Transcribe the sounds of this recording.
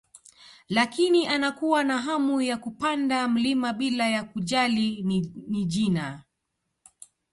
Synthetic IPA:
lakiniʔanakuwanaɦamujakupandam̩limaɓilajakuʄaliniʄina

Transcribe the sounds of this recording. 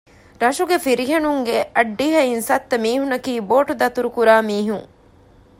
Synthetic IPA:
ɾɐʃuɡefiɾiɦɐnuŋɡeʔɐɖːiɦɐinsɐt̪ːɐmiːhunɐkiːboːʈud̪ɐt̪uɾukuɾaːmiːɦuŋ

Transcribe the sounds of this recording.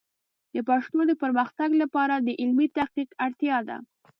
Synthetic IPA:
d̪̥əpaʂt̪od̪əpəɾməxt̪aɡlapɑɾad̪əʔɪlmit̪ahqiqaɽt̪jɑd̪a̰

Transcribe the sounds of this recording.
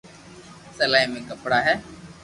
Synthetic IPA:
səlaːɦiːmẽːkəpɽaːɦɛː

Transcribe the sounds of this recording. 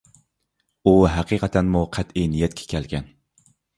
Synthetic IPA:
uɦæqʰiqʰɑt̪ʰænmuqʰæt̪inijɛt̪̚kʲʰɛ̥kʲʰælɡʲɛn

